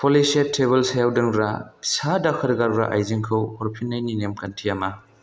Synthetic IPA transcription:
pʰolisetʰːeβelsajawdɯŋɾa̰sadakʰɐɾɡaɾɾa̰ʔa̰jziŋkʰɯwhɔɾpʰinːajninemkʰɐntʰiɐmɐ

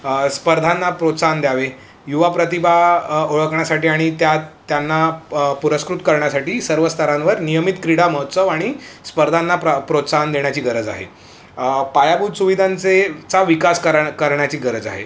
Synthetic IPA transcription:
spəɾd̪ʱanːapɾot̪sand̪jaʋe | juʋapɾət̪ibʱaoɭəkɳjasaʈiːaɽ̃it̪jat̪ːjanːapuɾəskɾut̪kəɾɳjasaʈiːsəɾʋəst̪ʰəɾãnʋəɾnijəmit̪kɾiɽaməɦət̪səʋaɽ̃ispəɾd̪ʱanːapɾot̪sand̪eɳjat͡ɕiːɡəɾəd͡za̰ɦḛ | pajabuːd̪suʋid̪ʱãnt͡set͡saʋikaskəɾkəɾɳjat͡ɕiːɡəɾəd͡za̰ɦḛ

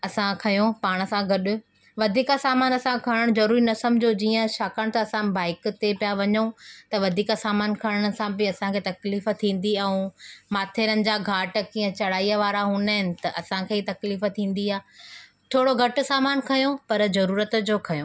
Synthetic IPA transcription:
ɐsãkʰɐjõpaːɽ̃sãɡʱɐɗʊ̆ | ʋɐd̪ʱiːkasaːmaːnɐsãkʰɐɽ̃əɽ̃zɐɾuːɾinɐsɐmd͡ʑod͡ʑiːə̃ʃaːkəɽ̃t̪ɐːsãbaːɪkt̪epijaʋɐɲũt̪ɐʋɐd̪ʱiːkasaːmaːnkʰɐɽ̃əɽ̃ʊ̆sãbɪɐsãkʰeːt̪ɐkliːft̪ʰĩːn̆d̪iɐɦũmaːt̪ʰeːɾənɪ̆d͡ʑaːɡʱaːʈ̆kĩːə̃t͡ɕɐɽ̤aːiːəʋaːɾaɦuːnaɦɪnɪ̆t̪ɐʔɐsãkʰeːit̪ɐkliːft̪ʰĩːn̆d̪iaː | t̪ʰoːɽoɡʱɐʈʊ̆saːmaːnkʰɐjopɐɾzɐɾuːɾət̪̆d͡ʑoːkʰɐjõː

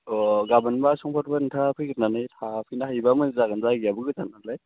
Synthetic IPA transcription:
ɔɡabanbasɔŋpʰɔɾbantʰapʰɯjkɯɾnanajtʰapʰɯjnahajbamɯnzaɡanzaɡiabɯɡɯtanalaj

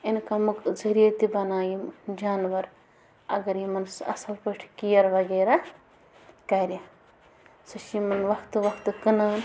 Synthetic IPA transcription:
inkamukzɐɾijɐt̪ibɐnaːjimd͡ʒaːnʋɐɾ | ɐɡɐɾjimɐnsɐ̰sɐlpəʈʰkijɐɾʋɐɡeːɾa | kɐɾʲjɐ | sɨʃjimɐnʋɐkʰt̪ɨʋɐkʰt̪ɨkɨnaːn

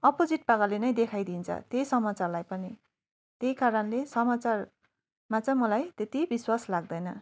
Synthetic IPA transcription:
ʌpod͡ziʈ̚pakalenʌjd̪ekʰajd̪int͡sʰʌ̰t̪ejsʌmat͡sarlajpʌni | t̪ejkaɾʌnlesʌmat͡sar | mat͡sʌ̃mʌlajt̪et̪ibiswaslaɡ̚d̪ʌjnʌ

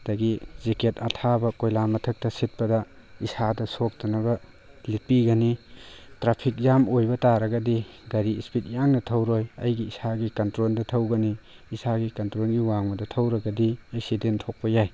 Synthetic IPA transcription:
d̥ɐɡizeketɐtʰabɐkojlamɐtʰɐk̚tɐsit̚pɐdɐ | isadɐsok̚dɐnɐbɐ | lipiɡɐnitɾapʰik̚jamojbɐtaɾɐɡɐdi | ɡɐɾiispʰit̚jaŋnɐtʰɐwɾojɐjɡiisaɡikɐntɾoldɐtʰɐwɡɐniː | saɡikɐntɾolɡiwaŋmɐdɐtʰɐwɾɐɡɐdiɐksidentʰok̚pɐjaj

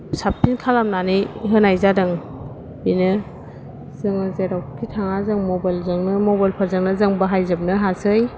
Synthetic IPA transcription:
sap̚tʰinkʰalamnaniɦɯnajzadɯŋ | binɯ | zɯŋɯzeɾawkʰitʰaŋazɯŋmɔbajlzɯŋnɯmɔbajlpʰaɾzɯŋnɯzɯŋbaɦajzɯp̚nɯɦasɯj

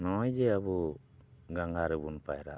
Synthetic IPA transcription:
nɔjd͡ʒɛabu | ɡaŋɡaɾɛbunpaɛɾa̰

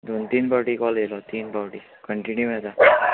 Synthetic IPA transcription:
d̪ont̪iːnbawʈikɔlɡelɔt̪iːnbawʈi | kəɳʈinjumeɭt̪a

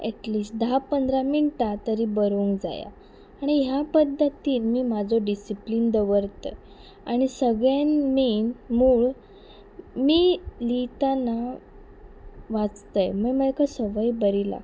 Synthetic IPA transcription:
ɛʈliːsʈ̚d̪apənd̪ɾaminʈ̪at̪əɾiːbəɾuːŋkd͡za̰ja̰ː | ɽ̃iɦjapəd̪ʱːət̪iːnmiːmad͡zʱoɖisipliːnd̪əʋəɾt̪əj | aɽ̃isəɡɭjanmiːnmuːɭ | miːlit̪ana | ʋat͡st̪əjməməjkasəʋəjbəɾila̰

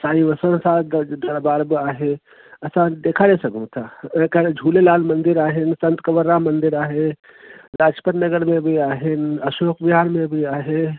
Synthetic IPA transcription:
saːĩʋəsənsad̪d̪əɾbaːɾbiaːɦe | ɐsãd̪eːkʰaɾesɐɡũt̪ʰãkəɾd͡ʒʱuːlelaːlmənd̪iɾaːɦensənt̪kəʋəɾːamənd̪iɾaːɦe | ɾaːd͡ʒpəɾnəɡəɾmẽbʱiaːɦenəʃoːkbiɦaːnmẽbʱiaːɦe

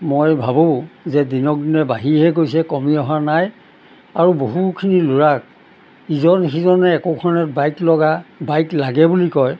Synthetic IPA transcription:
mojbʱabozɛdinɔk̚dinɛbaɦiɦɛɡojsɛkɔmiɔɦanaj | aɹuboɦukʰinilʊɹak̚ | izɔnxizɔnɛɛkokʰɔnɛt̚bajklɔɡabajklaɡɛbulikɔj

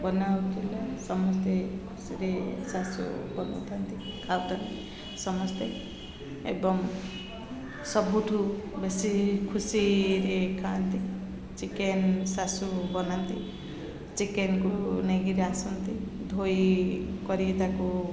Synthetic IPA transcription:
bɔnawt̪ʰilasɔmɔst̪ekʰusiɾesasṵbɔn̰t̪ʰant̪ikʰawt̪ʰant̪i | sɔmɔst̪e | ebɔm | sɔbuʈʰubesikʰusiɾekʰant̪i | t͡ʃikensasubɔnant̪i | t͡ʃikenkuneɡiɾasɔnt̪id̪ʱojkɔɾiet̪aku

